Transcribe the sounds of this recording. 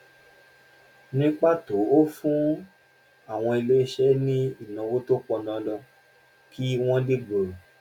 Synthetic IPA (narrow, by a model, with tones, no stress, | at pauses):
nĩ˦k͡pa˦˨to˨˦o˦fũ˦ | a˦˨w̃ɔ̃˧i˧le˦i˦˧ʃɛ˦nĩ˦i˦˨nã˧wo˦to˦k͡pɔ˧nã˨˧˦lɔ˧ | kʰi˦w̃ɔ̃˦de˦ɡ͡bo˨ɾo˨